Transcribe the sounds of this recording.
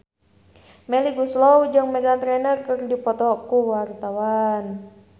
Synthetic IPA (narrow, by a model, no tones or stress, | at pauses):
mɛliɡuslɔwd͡ʒɨŋmɛɡant̪ɾɛnərkɨrdipɔt̪ɔkuwart̪awan